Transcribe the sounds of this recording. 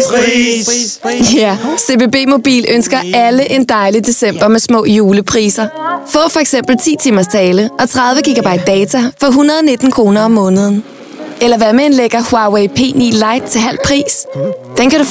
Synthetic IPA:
æse̝b̥e̝ːb̥e̝̰ːmo̝b̥ḭːlønsɡ̥ɐʔæləʔe̝nd̥ɑ̈ɪlid̥e̝sem̰b̥ɐmesmɔ̰̽ːjuːləpʰʁḭːsɐfɔ̰̽ːfɒ̽eɡ̥sem̰b̥l̩t͡sʰḭːt͡sʰimɐst͡sʰɛːləʔɒ̽t͡sʰʁað̞ˠʋəɡ̥iɡ̥æb̥ɑ̈ɪ̰d̥̚ːɛːt͡sʰæfɒ̽ɦunɐðˠɒne̝d̥n̩kʰʁo̝ːnɐɒ̽mːɔ̽ːnəð̞ˠən̩ | elɐʋæmeenleɡ̥ɐhwɑweɪpʰe̝̰ːniːlɑ̈ɪd̥̚t͡sʰe̝ɦæl̰pʰʁḭːsd̥enkʰæɾu

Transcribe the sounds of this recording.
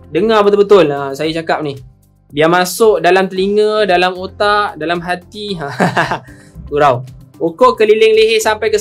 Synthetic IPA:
dəŋabət̪əbət̪ʊlasajat͡ʃakap̚nih | biamasʊʔdalamt̪əliŋədalamot̪aʔdalamɦat̪ia | uɾawokoʔkəlilɪŋleɦesampajkə

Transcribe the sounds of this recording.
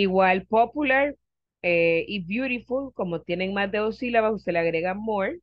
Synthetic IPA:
iɣwalpopulaɾ | eʔibjuɾifulko̞mot̪je̞neŋmazd̪eosilaβaust̪eleaɣɾe̞ɣamoɾ

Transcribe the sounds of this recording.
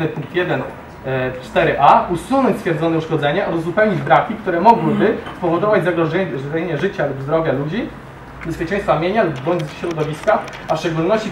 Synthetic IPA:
nɘpuŋk̚t̪jɛd̪ɛn | t͡ʂt̪ɛɾɘʔausunɔɲt͡ɕʲsfʲjɛɾd̪zɔnɛuʂkɔd̪zɛɲɛʔauzupɛwɲid͡ʑbɾakʲikt̪uɾɛmɔɡwɘbɘspɔvɔd̪ɔvad͡ʑzaɡɾɔɲeɲɛʐɘt͡ɕalubzd̪ɾɔvʲjalud͡ʑi | bɛspʲjet͡ʂɛ̃j̃st̪famʲjeɲalubːɔɲd͡ʑzɕɾɔd̪ɔvʲiskaafʂt͡ʂɛɡulnɔɕt͡ɕi

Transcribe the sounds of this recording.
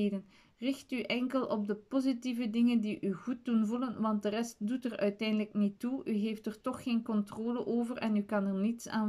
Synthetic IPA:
dən | rɪxtyʔɛŋkəlɔb̚dəpozitivədɪŋəndiʔyɣut̚dunvulənʋɑnt̚dərɛst̚dutərœɥtɛjndələknituyɦeːftərtɔxxeːnkɔntroːləʔoːvərɛnykɑnərnitsa̰ː

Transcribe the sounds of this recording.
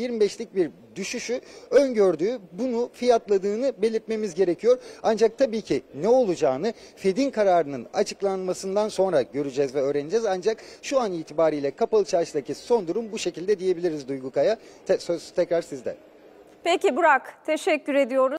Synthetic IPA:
iɾmibɛʃlʲic̚biɾ | d̪yʃyʃyø̞nɟøɾd̪yːbunufijat̪lˠad̪ɯːnɯbe̞lʲiɾt̪̚me̞mizɟe̞ɾe̞cʰijo̞ɾand͡ʒak̚t̪ʰabiːcʰinɛo̞lˠud͡ʒaːnɯ | fe̞d̪inkʰaɾaːɾɯnɯna̰t͡ʃʰɯklˠanmasɯnd̪anso̞nɾaɟø̞ɾyd͡ʒɛzvɛø̞ːɾe̞nid͡ʒɛzand͡ʒakʃuaniːt̪ʰibaːɾiːlʲɛkʰapalˠt͡ʃʰaɾʃd̪acʰiso̞nd̪uɾumbuʃe̞cilʲd̪ɛd̪ije̞bilʲiɾizd̪ujɡukʰaja | ɛsøzt̪ʰɛcɾaɾsizd̪ɛ̰ | pecibuɾakt̪ʰeʃɛcːyɾe̞d̪ijo̞ɾu

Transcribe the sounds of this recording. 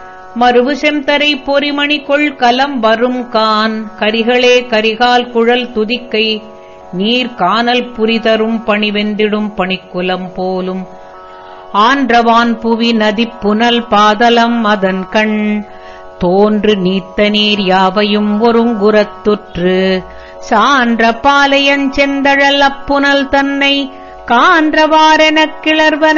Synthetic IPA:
mɐɾɯʋɯsɛmt̪ɐɾɐɪpːɔɾimɐɳɪkɔɭkɐlɐmʋɐɾɯmkaːnkɐɾɪɣɐɭeːkɐɾɪɣaːlkʊɻɐlt̪ʊðɪkːɐɪ | niːɾkaːnɐlpʊɾɪt̪ɐɾɯmpɐɳiʋɛnd̪ɪɽɯmpɐɳɪkːɯlɐmpoːlɯm | aːndrɐʋaːnpʊʋinɐðɪpːʊnɐlpaːðɐlɐmɐðɐnkɐɳ | t̪oːndrɯniːt̪ːɐniːɾjaːʋɐjɯmɔɾɯmɡʊɾɐt̪ːɯʈrɯ | saːndrɐpaːlɐjɐnt͡ʃɛnd̪ɐɻɐlɐpːʊnɐlt̪ɐnːɐɪ | kaːndrɐʋaːɾɛnɐkːɪɭɐɾʋɐn

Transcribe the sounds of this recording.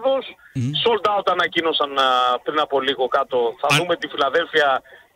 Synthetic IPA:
ðossold̪ɐo̞t̪ɐnɐcino̞sɐnpɾinɐpo̞liɣo̞kɐt̪o̞θɐðume̞t̪ifilɐðe̞lfiɐ

